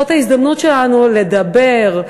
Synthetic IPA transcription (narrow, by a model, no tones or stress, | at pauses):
ot̪haisd̪amnut̪ʃelanule̞d̪ɐbe̞ʁ